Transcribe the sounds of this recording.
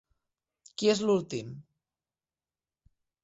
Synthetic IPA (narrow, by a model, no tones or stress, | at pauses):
kiezlulˠt̪im